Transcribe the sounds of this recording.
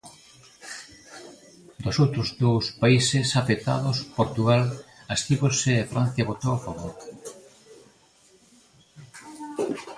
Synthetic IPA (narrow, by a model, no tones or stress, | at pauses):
d̪osowt̪ɾozðowspaisesafet̪a̰ðospoɾt̪uɣalast̪iβoseːfɾan̟θjaβot̪owafaβoɾ